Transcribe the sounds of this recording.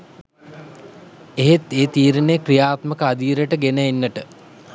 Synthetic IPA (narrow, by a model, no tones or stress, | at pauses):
eɦet̪eːt̪iːɾənejkrijaːt̪məkəad̪iːɾəʈəɡenəenːəʈə